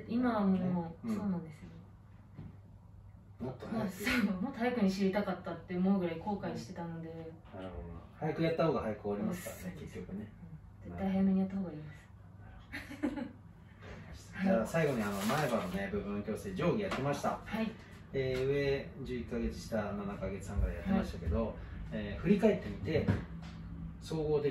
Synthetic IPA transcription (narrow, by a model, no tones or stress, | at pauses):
imaβamomoso̞ːnãnd̪esɨjo | mot̪ːooɡomoajikɯ̟ɲ̟iɕiɾʲit̪akat̪ːat̪ːeɯmoːɡɯ̟ɾaiko̞ːkaiɕi̥t̪e̞t̪anod̪e̞naɾɯ̟ho̰d̪hajakɯjat̪ːaho̞ːɡahajakoːɾʲimasɨ̥kake̞kʲːo̞kɯ̟ne | d͡ze̞t̪ːajhajame̞ɲ̟ijat̪ːahoːɡaiːmasɨ̥ | naɾɯho̥ | d͡ʑaːsaiɡo̞ɲ̟iano̞mae̞banone̞bɯ̟bɯ̃nːokʲo̞ːsɨd̪ed͡ʑo̞ːɡʲijat̪ːe̞maɕi̥t̪ahai | eːɯ̟e̞d͡ʑɨːikːaɡe̞t͡sɨ̥ɕi̥t̪ananakaɡe̞t͡sɨ̥sãŋkaɾejat̪ːe̞maɕi̥t̪ake̞d̪o̞eːɸɯ̟ɾʲikaet̪ːe̞mʲit̪e̞ | so̞ːɡo̞ːt̪e